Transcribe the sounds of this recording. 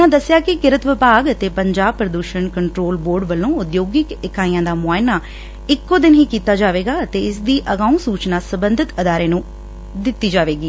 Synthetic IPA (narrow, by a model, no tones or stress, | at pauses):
nãːd̪əsːɪjaːkɪkɪɾət̪ʋɪpaːɡət̪eːpəɲd͡ʒaːb̚pɾəd̪uːʃənkəɳʈɾoːlboːɾɖʋəlõːʊd̪joːɡɪkɪkaːĩjãːd̪aːmʊaːɪnaː | ɪkːõːd̪ɪnɦiːkiːt̪aːd͡ʒaːʋeːɡaːət̪eːɪsd̪iːʔəɡaːũːsuːt͡ʃnaːsəbənd̪ʱɪt̪əd̪aːɾeːnũː | d̪ɪt̪ːiːd͡ʒaːʋeːɡiː